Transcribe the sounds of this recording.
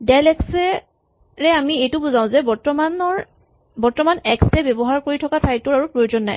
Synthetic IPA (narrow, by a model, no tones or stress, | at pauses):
dalɛksɛ | ɹɛamiejtʊbuzaʊ̃zɛbɔɹtɔmanɔɹ | bɔɹtɔmanɛksɛbɛbɔɦaɹkoɹitʰɔkatʰajtʊɹaɹupɹojozɔnːa̰j